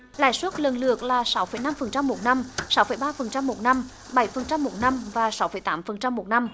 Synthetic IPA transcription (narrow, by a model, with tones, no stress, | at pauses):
la̰ː˧˨jswə˦˥t̚lə˨˩nlɨ˨˩ək̚laː˨˩sa˨˦wfə̰˨˧˩jna˧mfə˨˩nt͡ɕa˧mːo˨˩t̚na˧msa˨˦wfə̰˧˩jɓaː˧fə˨˩nt͡ɕa˧mːo˨˩t̚na˧m | ɓa˧˩jfə˨˩nt͡ɕa˧mːo˨˩t̚na˧mvaː˨˩sa˨˦wfə̰˧˩˦jt̪aː˨˦mfə˨˩nt͡ɕa˧mːo˨˩t̚na˧m